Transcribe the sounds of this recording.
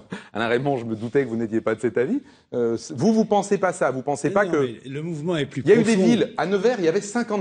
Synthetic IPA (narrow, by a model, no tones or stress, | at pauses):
a̰laʁɛmɑ̃ʒəməd̪ut̪ɛkəvunet̪jepad̪əsɛt̪avi | øsvuvupɑ̃sepasavupɑ̃sepakələmuvmɑ̃ɛplyiljayd̪evilanəvɛʁiljavɛsɛ̃kɑ̃